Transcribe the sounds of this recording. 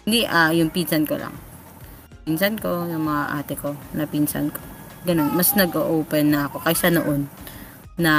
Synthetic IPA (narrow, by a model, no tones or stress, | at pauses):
nd̪iʔajʊŋpinsɐnko̰la̰ŋ | pinsɐnko̞jʊŋmɐŋaʔa̰ːt̪ɪko̞nɐpinsɐ̰nko̞̥ | ɡɐno̞nmɐsnɐɡʔoʔoːpɛnːɐʔɐko̞kɐjsɐno̰ʔonː | ɐ